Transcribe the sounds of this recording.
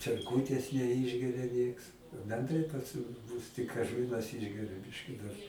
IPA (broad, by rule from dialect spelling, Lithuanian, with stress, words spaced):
t͡ʃʲɛrˈkuːtʲeːs nʲɛˈɪʒʲɡʲɛrʲɛ ˈnʲiɛks bʲɛnˈdrɐɪ pɐs mʊ ˈmʊs tʲɪk ɐʃ ˈʋʲiɛnɐs ˈɪʒʲɡʲɛrʲʊ ˈbʲɪʃʲkʲɪ dɐr